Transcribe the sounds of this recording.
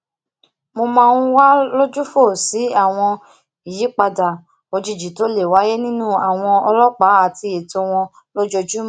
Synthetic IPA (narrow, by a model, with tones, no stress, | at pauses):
mo˧mãː˧nũ˦wa˦lo˦d͡ʒu˦fo˦˨si˨˦a˦˨w̃ɔ̃˧ | i˨ji˨˦k͡pa˧da˨ | o˧d͡ʒi˧˨d͡ʒi˨to˨˦le˦˨wa˨˦je˦nĩ˦nũ˦a˦˨w̃ɔ̃˧ɔ˧lɔ˦k͡pa˨˦a˨ti˧e˨to˧w̃ɔ̃˧ | lo˦d͡ʒo˧d͡ʒu˦m˦